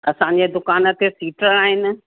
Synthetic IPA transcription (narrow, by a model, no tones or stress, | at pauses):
ɐsãɲd͡ʑed̪ʊkaːnə̆t̪esiːʈəɽaːɦɪnɪ̆